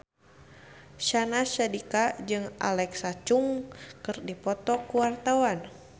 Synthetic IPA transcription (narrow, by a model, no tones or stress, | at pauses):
ʃanaʃadikad͡ʒɨŋʔa̰lɛksat͡ʃuŋkɨrdipɔt̪ɔkuwart̪awan